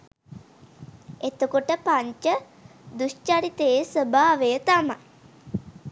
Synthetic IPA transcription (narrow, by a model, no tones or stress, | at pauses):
et̪okoʈəpaɲt͡ʃə | d̪ust͡ʃaɾit̪eesəbaːʋejət̪ama̰j